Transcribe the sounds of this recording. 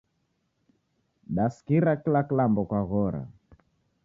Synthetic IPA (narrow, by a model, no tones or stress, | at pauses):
ɗaskiɾakilakilambɔkwaɣɔɾa̰